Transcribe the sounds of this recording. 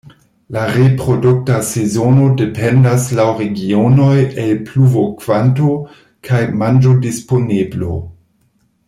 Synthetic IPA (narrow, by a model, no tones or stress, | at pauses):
laɾepɾo̞duk̚tasezono̞de̞pendaslawɾeɡionojelpluvokv̥anto | kʰajmand͡ʒodisponeblo̰